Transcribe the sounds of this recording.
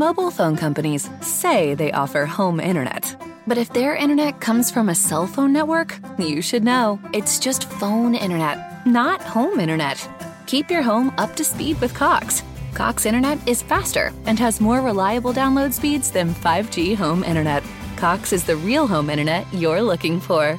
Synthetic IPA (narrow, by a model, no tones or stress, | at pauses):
moʊbl̩ˠfõʊ̃nkʰʌ̃mpɨniz̥seɪðeɪʔɔ̰fə˞hõʊ̃mɪ̰̃ɾ̃ə̰˞nɛ̰t̚ | b̥ʌɾɨfðə˞ʔɪ̃ɾ̃ə˞nɛt̚kʰʌ̃mz̥fɹʌ̃mɨsɛlˠfõʊ̃nːɛt̚wə˞k | jɨʃɨdⁿnoʊɨtsd̥ʒ̥ʌstfõʊ̃nɪ̰̃ɾ̃ə˞nɛt̚ | nət̚hõʊ̃mɪ̃ɾ̃ə˞nɛ̰t̚ | kʰipjə˞ɦõʊ̃mʌp̚tʰɨspid̚wɨð̥kʰɑks | kʰɑ̰ksɪ̃ɾ̃ə˞nɛɾɪz̥fæstə̰˞ɨ̃nɨzmɔɹɹɪlaɪɨbl̩ˠdãʊ̃nloʊd̥spidz̥ðɨ̃nfaɪvd͡ʒiɦõʊ̃mʔɪ̰̃ɾ̃ə˞nɛt̚ | kʰɑksɨzðɨɹilˠɦõʊ̃mɪ̃ɾ̃ə˞nɛʔə˞lʊkɪ̃ŋfə˞